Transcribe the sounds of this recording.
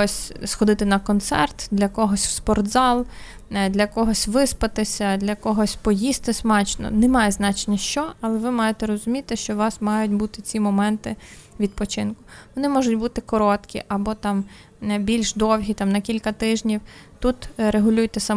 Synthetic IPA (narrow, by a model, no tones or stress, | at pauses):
ɔsʲsxɔd̪ɪt̪ɪnɐkɔnt̪sɛrt̪d̪lʲɐkɔɦɔsʲwspɔrt̪zɑlˠ | d̪lʲɐkɔɦɔsʲʋɪspɐt̪ɪsʲɐd̪lʲɐkɔɦɔsʲpɔjist̪ɪsmɑt͡ʃnɔ̰nɛmɑjɛznɑt͡ʃenʲɛʃt͡ʃɔɐlˠɛʋɪmɑjet̪ɛɾɔzʊmʲit̪ɪʃt͡ʃɔʋɑsmɑjʊtʲbut̪ɪt͡sʲimɔmɛnt̪ɪʋʲid̪̚pɔt͡ʃɪnkʊʋɔnɪmɔʒʊtʲbut̪ɪkɔɾɔt̪kʲḭʔɐbɔt̪ɑm | bʲilʲʃd̪ɔwɦʲit̪ɑmnɐkʲilʲkɐt̪ɪʒnʲiwt̪ut̪ɾeɦʊlʲujt̪ɛsɐ